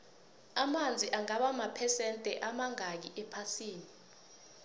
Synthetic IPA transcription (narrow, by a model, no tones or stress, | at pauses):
amand͡zʱiʔaŋaɓamapʰɛsɛntʼɛʔamaŋak̬iʔɛpʰasiːni